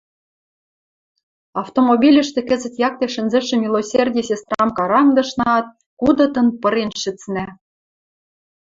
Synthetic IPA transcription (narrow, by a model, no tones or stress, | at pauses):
ɑft̪omobʲilʲɘ̆ʃt̪ĕkɘ̆zɘ̆t̪jɑk̚t̪eʃɘ̆nzɘ̆ʃɘ̆mʲilˠosʲerʲdʲijsʲest̪rɑmkɑɾɑŋd̪ɤ̆ʃnɑɑt̪̚ | kud̪ɤ̆t̪ɤ̆npɤ̆ɾenʃɘ̆t͡snæ